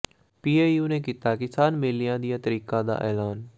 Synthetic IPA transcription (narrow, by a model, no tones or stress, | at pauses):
piːeːjuːneːkiːt̪aːkɪsaːnmeːlɪjãːd̪ɪjãːt̪əɾiːkãːd̪a̰ːʔɛ̰ːlaːn